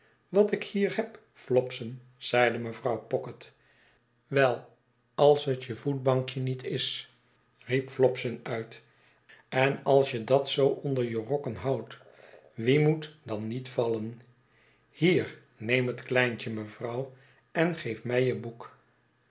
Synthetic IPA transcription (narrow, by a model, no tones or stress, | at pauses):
ʋɑtɪkhiːɹhɛp | flɔpsən | z̥ɛjdəməvrɑwpɔkət | ʋɛlˠ | ɑlˠsɦətjəvut̚bɑŋkjənitɪs | ripflɔpsənœɥt | ɛnɑlˠsjədɑtsowʔɔndəɹjərɔkənɦɑwt | ʋimutdɑnːitfɑlən | hiːɹ | nejmɦətklɛjnt͡ʃəməvrɑw | ɛnχejfmɛjəbuk